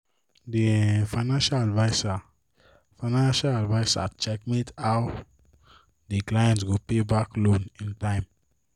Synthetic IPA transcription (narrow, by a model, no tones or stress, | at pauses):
difaɪnãnʃaladvaɪsa | faɪnãnʃaladvaɪsa̰t͡ʃɛk̚mitaw | diklajɛ̃ntsɡupebaklõnĩntãɪ̃m